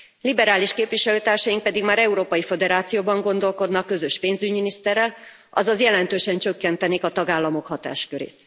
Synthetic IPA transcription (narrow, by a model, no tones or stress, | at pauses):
libɛɾaːliʃkeːpviʃɛløːt̪aːrʃɒjiŋk̚pɛd̪iɡmaːɾɛuɾoːpɒjifø̞d̪ɛɾaːt̪sijoːbɒŋɡo̞nd̪o̞lko̞d̪nɒkːø̞zøʃpeːnzyɟminist̪ɛrːɛl | ɒ̰zɒzjɛlɛnt̪øːʃɛnt͡ʃø̞kːɛnt̪ɛneːkɒt̪ɒɡaːlːɒmo̞khɒt̪a̰ːʃkøɾḛːt̪